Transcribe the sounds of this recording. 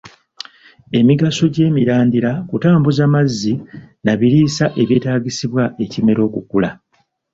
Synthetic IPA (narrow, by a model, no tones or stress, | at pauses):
e̞miɡaso̞ɟe̞ːmiɾaːndiɾakutaːmbuzamazːinaβiɾiːsaʔe̞βjeːtaːɟisiβwaʔe̞cime̞ɾo̞ːkukula